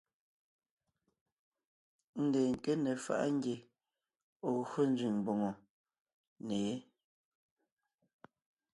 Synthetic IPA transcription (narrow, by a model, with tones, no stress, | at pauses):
n̩˦dɛː˨ŋ̩˨ke˦nɛ˨fa̰˦˨ʔa˦ŋ˦ɡje˨ | o˨ɣɰo˦n̩˦d͡ʒi˨ŋm˨bo˨ŋo˨ | ne˨je˦